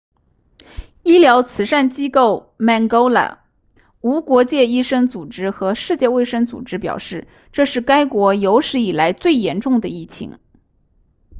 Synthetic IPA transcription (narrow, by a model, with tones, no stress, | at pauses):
i˥ljɑ˧˥ʊt͡sʰɹ̩˨˩ʂa˥˩nt͡ɕi˥ko˥˩ʊ | mɛ˥˩ŋko˥ʊla̰˨˩ | u˧˥kwɔ˧˥t͡ɕjɛ˥˧i˥ʂɤ˥ŋt͡su˨˩ʈ͡ʂɻ̩˥xɤ˧˥ʂɻ̩˥˧t͡ɕjɛ˥˧we˥˩ɪʂɤ˥ŋt͡sṵ˨˩ʈ͡ʂɻ̩˥pjɑ̰˨˩ʊʂɻ̩˥˧ | ʈ͡ʂɤ˥˧ʂɻ̩˥˩ka˥ɪkwɔ˧˥jo˧˥ʊʂɻ̩˧˥i˨˩la˧˥ɪt͡swe˥˩ɪjɛ˧˥nʈ͡ʂʊ˥˩ŋd̪ə˩i˥˩t͡ɕʰḭ˧˥ŋ